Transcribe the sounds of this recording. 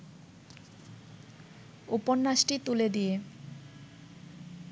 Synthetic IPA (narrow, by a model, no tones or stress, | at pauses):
uponːaʃʈit̪uled̪ije